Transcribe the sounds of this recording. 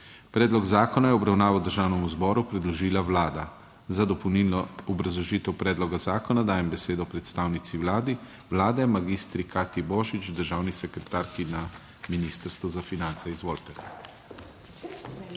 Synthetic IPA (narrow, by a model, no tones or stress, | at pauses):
pɾɛːd̪lɔɡzaːkɔnajɛɔbɾawnaːʋawd̪əɾʒaːwnɛmuzbɔːɾupɾɛd̪lɔʒiːlaʋlaːd̪a | zad̪ɔpɔwnilnɔɔbɾazlɔʒiːt̪ɛwpɾɛːd̪lɔɡazaːkɔnad̪aːjɛmbɛseːd̪ɔpɾɛt̪st̪aːwnit̪siwlaːd̪i | ʋlaːd̪ɛmaɡist̪ɾikaːt̪ibɔːʒit͡ʃd̪əɾʒaːwnisɛkɾɛt̪aːɾkina | miniːst̪əɾst̪ʋɔzafinant̪sɛizʋoːlt̪ɛ